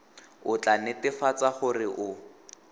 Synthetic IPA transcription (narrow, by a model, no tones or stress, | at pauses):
ʊt͡ɬʼanɪtɪfat͡saχʊrɪʔʊ